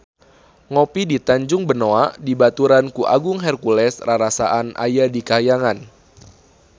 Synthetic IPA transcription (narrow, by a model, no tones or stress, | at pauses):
ŋopidit̪aɲd͡ʒʊŋbənoaʔdibat̪uɾankuʔa̰ɡʊŋɦɛrkulɛsraɾasaʔanʔa̰jadikajaŋan